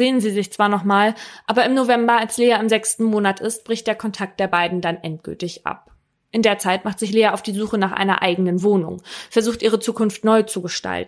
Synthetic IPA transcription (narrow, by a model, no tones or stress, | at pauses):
z̥eːənziːzɪçt͡sv̥aːɐnɔχmaːlʔaːbɐɪmnovɛmbɐalsleːaɪmzɛkstn̩moːnatʰɪst̚b̥ʁɪçt̚d̥eːɐkʰɔntʰak̚t̚d̥eːɐbaɪdn̩danʔɛnt̚ɡ̥ʏ̰ltɪçʔa̰p̚ | ʔɪndeːɐt͡saɪtmaχtz̥ɪçleːaaʊfd̥iːzuːxənaːχʔa̰ɪnɐ̰ʔa̰ɪɡənənvoːnʊ̰ŋfɛɐzuːxtʔiːʁət͡suːkʊnftnɔʏt͡suɡəʃta̰ltn̩